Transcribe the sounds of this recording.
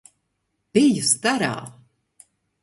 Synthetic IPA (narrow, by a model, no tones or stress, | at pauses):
b̥ijust̪aɾa̰ː